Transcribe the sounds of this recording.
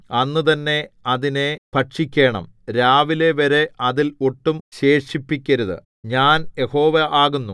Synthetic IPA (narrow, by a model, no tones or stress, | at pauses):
ɐnːɨt̪ɐnːe̞ɐðine̞pɐʈʂikʲːe̞ːɳɐ̰mɾaːʋile̞ʋɐɾe̞ʔɐðiloʈːumɕe̞ːʂipːikʲːɐɾuðɨ̰ | ɲaːnje̞ho̞ːʋɐʔaːɣunːu